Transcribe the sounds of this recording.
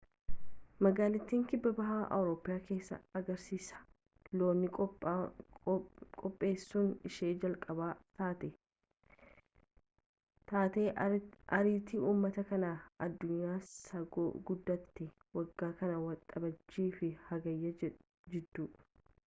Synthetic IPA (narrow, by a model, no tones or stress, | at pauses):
mɐɡaːlɪt̪ːiːŋkɪbːɐbɐɦaːʔɐ̰wɾoːpːɪjaːke̞ːsːɐ̰ɐɡɐɾsiːsɐ̥ | lo̞ːnːɪ | kʼɔpʼːe̞ːsːʊnɪʃe̞ːd͡ʒɐlkʼɐbaːt̪aːt̪ɛ | t̪aːt̪e̞ːʔɐɾiːt̪ɪuːmːɐt̪ɐkɐnaːɐd̪ːʊɲːaːsɐɡo̰ːɡʊd̪ːɐt̪ːɛ | wɐɡːaːkɐnɐwɐt̪ʼɐbɐd͡ʒːiːfɪhɐɡɐjːɐ | d͡ʒɛd̪ːuː